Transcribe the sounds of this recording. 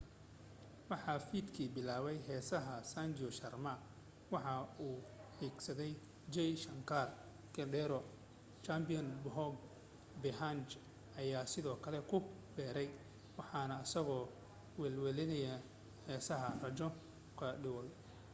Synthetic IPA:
wɑħɑfiːd̪kʰiːbɪlaːβɛjɦɛːsɐɦɐsand͡ʒɪɔʃɐrmɐ | wɑħɑuːħiːɡsɐðɛj | d͡ʒɛjʃɐŋkʰar | kʰɐɖɛɾɔ | t͡ʃambɪɔnbɦɔɡ | bɪɦant͡ʃ | ʔɐjaːsɪðɔːkʰɐlɛkʰʊ | bɛːɾɛj | wɑħɑnɐːsɐɣɔː | wɛlwɛlɪnɐjɐ | hɛːsɐɦɐrɐd͡ʒɔ | kʰɐɖɪwɔl

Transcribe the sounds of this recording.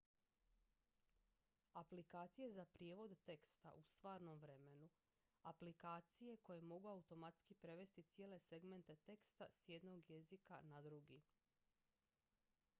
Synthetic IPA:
aplikaːt̪sije̞zapɾijeʋo̞d̪t̪e̞kst̪a̰ʔust̪ʋaːɾno̞mʋɾe̞me̞nu | aplikaːt̪sije̞ko̞je̞mo̞ɡuaut̪o̞mat̪skipɾe̞ʋe̞st̪it̪sijeːle̞se̞ɡme̞nt̪e̞t̪e̞kst̪asje̞d̪no̞ɡje̞zika̰nad̪ɾuɡi

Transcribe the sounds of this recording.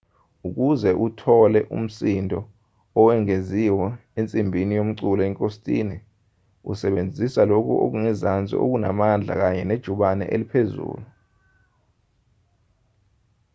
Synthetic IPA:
uk̬uzɛʔutʰɔlɛʔṵm̩sindʱɔ | ɔwɛŋeziwɔent͡sʼimbʱinijom̩ǀulɔɛŋkʼostʼḭːni | ṵsɛɓend͡zʱisalok̬ʰʼṵʔo̰k̬uŋizant͡sʼḭʔo̰k̬una̰mand͡ɮʱa̰k̬aɲɛned̥ʒ̥ʱuɓanɛ̰ʔelipʰezṵːlu

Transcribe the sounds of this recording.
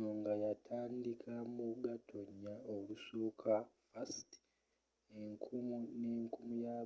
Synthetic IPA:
oŋɡajatʰaːndikʰamuɡatʰoɲːaolusoːkʰafasti̥ | eŋkʰumuneːŋkumuja

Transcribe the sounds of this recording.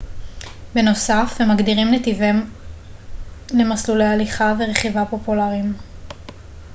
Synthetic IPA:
be̞no̞safemaɡd̪iʁimlet̪ivem | le̞maslulejaliχaveʁeχivapo̞pulaʁim

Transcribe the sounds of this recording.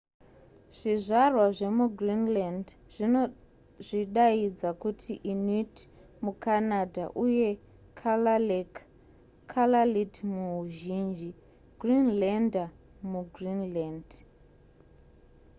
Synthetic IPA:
ʐ̥iʐarwaʐe̞muɡʱrinland | ʐi | ʐiɗaid͡zakutʰiʔinit | mukanadʱaʔuje̞ | k | kʰalalitmuɦuʒiːnd͡ʒi | ɡrinlanda | muɡrinlaːnd

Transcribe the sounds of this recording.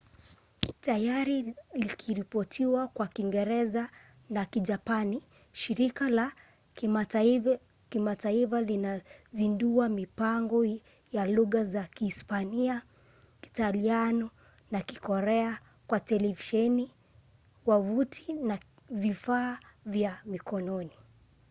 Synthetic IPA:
tajaɾilikʰiɾipɔtʰiwakwakiŋɡɛɾɛza | nakiʄapani | ʃiɾikala | kimataifalinazinduamipaŋɡɔ | jaluɣazakiispania | ki̥talianɔ | naki̥kɔɾɛa | kwatɛlɛviʃɛni | wavutʰina | vifaːvjamikʰɔnɔni

